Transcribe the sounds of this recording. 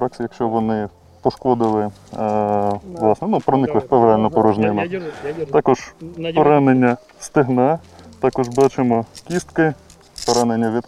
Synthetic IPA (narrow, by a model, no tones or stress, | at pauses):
ɾɑksʲijɐkʃt͡ʃɔʋɔnɪ | pɔʃkɔd̪ɪlˠɪ | ʋlˠɑsnɛnupɾɔnɪklˠɪxpɛʋɾealʲnɔpɔɾɔʒnɪnɔt̪ɑkɔʒ̥pɔɾɑnenʲːɐ | st̪ɪɦnɛt̪ɑkɔʒbɑt͡ʃɪmɔkʲist̪kɪ | pɔɾanenʲːɐʋʲit̪